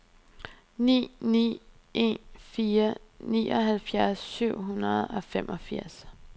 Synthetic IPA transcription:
nḭːnḭː | ʔe̝̰nfiːɐniːʔɒɦælfjæɐsːyʊ̰ɦunɐð̩ˠɒ̽femʔɒ̽fiɐ̰s

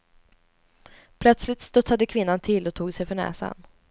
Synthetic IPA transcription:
pʰlœt̪slɪt̪st̪ɵt̪sad̪əkʰvɪnːant̪ʰɪlːɔt̪ʰuːɡsɛjfœɳɛ̰ːsa̰n

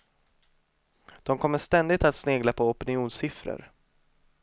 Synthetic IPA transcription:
d̪̥ɔmkʰɔmːəʂt̪ɛnd̪ɪt̪at̪sneːɡlapʰɔɔpɪnɪuːnsɪfɾə̰ɾ

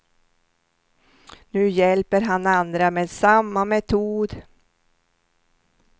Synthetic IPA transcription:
nʉ̟ːjɛlpəɾɦanand̪ɾameːd̪samːamɛt̪ʰuːd̪

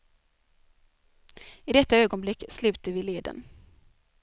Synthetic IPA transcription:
ɪd̪ɛt̪ːaøːɡɔnblɪkːslʉ̟ːt̪əvɪleːd̪ə̰n

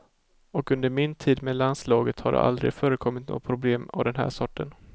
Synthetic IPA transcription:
ɔkɵnd̪əɾmɪnt̪ʰiːd̪meːlanslɑːɡət̪ha̰ɖɛ̰ʔa̰ld̪ɾɪ̰ɡfœːɾəkʰɔmːɪt̪̚no̰ːpʰɾʊbleːma̰vd̪ɛnɦæ̰ːʂɔʈːən

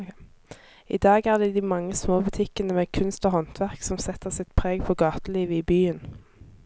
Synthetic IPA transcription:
ɪ̰d̪ɑːɡæːʁd̪ɛːd̪iːmɑŋːəsmoːbʉt̪ʰɪkənəmeːkʰʉnst̪oːhɔnt̪ʰʋæʁksɔmsɛt̪əʁsɪt̪pʰʁeːɡpʰɔɡɑːt̪əliːʋəiːbyːən

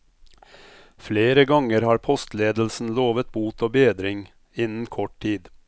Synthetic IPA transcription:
fleːɾəɡɑŋəɾhɑːɾpʰɔst̪leːd̪l̩sn̩loːʋət̪̚buːt̪ʰoːbeːd̪ɾɪŋ | ɪnn̩kʰɔʈ̚ʈiːd̪

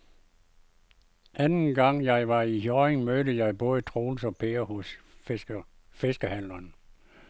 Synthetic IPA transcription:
ʔænn̩ɡ̥ɑ̈ŋ̰jɑ̈ɪʋɑ̈iɦjɒeŋmøːɾəjɑ̈ɪb̥ɔ̽ːðˠət͡sʰʁo̝ːlsɒ̽pʰe̝ɐhɔ̽s | fe̝sɡ̥əhæn̰lɐn

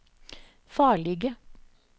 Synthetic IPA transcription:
fɑːɭɪɡə

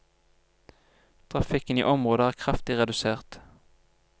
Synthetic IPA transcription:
t̪ʰʁɑfɪkənḭːʔɔmʁoːd̪əæːʁkʰʁɑft̪ɪʁɛd̪ʉseːʁt̪

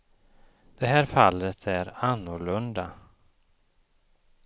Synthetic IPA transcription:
d̪̥ɛɦæːɾfalːət̪ʰæɾanːʊɭɵnd̪a

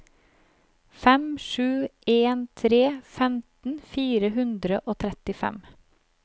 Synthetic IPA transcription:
fɛmʃʉːeːnt̪ʰɾeːfɛmt̪n̩fiːɾəɦʉnd̪ɾəʔoːt̪ʰɾɛt̪ɪfɛ̰m

